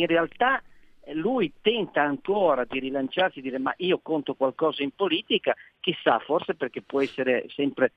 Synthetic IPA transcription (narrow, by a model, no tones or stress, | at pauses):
inrealt̪a | lujt̪ɛnt̪aːŋkoːɾad̪iɾilant͡ʃarsid̪iːɾema̰ʔiːokont̪okwalkɔːzaimpoliːt̪ikak̟esːa̰forseperkepːwɔɛsːeɾesɛmpɾe